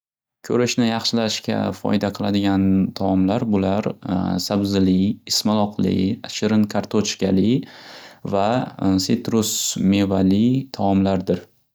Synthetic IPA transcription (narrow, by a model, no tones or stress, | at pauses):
kʲʰɵɾɪʃnɪjɑχʃɪlaʃkʲa̰fɒ̰jd̪aqʰɨlˠad̪ɪɡʲant̪ʰaɒmlaɾbʊlaɾsabzɪlɪɪsmalˠɒqʰlɪ̰ʃɪɾɪnkʰaɾt̪ʰot͡ʃkʲalɪ | vaset̪ɾʊsme̞valɪt̪ʰaɒmlaɾd̪ɪɾ